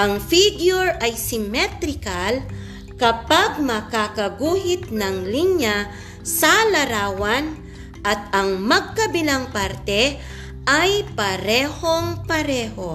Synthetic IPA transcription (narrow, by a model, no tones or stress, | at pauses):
ʔɐŋfiɡjʊɹɐjsɪmɛt̪ɾɪkal | kɐpaɡ̚mɐkakɐɡuːhɪt̪̚nɐŋliɲja | sɐlɐɾaːwɐn | ʔɐt̪̚ɐŋmɐɡ̚kɐbɪlaŋpaɾt̪ɛ | ʔajpɐɾɛːho̞ŋpɐɾɛːho̞